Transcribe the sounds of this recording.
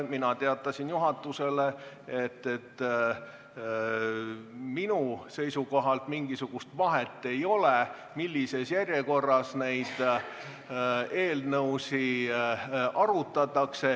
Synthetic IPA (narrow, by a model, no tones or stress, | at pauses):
minɑt̪eɑt̪ːˑɑsinjuɦɑt̪ːˑuse̞le̞ | et̪ːe̞t̪ː | minuse̞jsuko̞ɦɑlt̪miŋɡ̥isuɡ̥ust̪vɑɦet̪ːˑe̞jo̞le | milːise̞sjærʲje̞ko̞rːɑsne̞jd̪̥ | e̞ːlnɤwsi | ɑɾut̪ːˑɑt̪ːˑɑkse̞